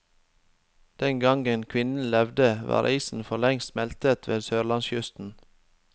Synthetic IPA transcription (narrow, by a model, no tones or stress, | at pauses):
d̪̥ɛŋɡɑŋɡənkʰʋɪnn̩lɛʋd̪əʋɑ̰ːɾʔiːsn̩fɔlɛŋst̪mɛlt̪ət̪ʰʋḛːd̪søːɾlɑnsjʉst̪n̩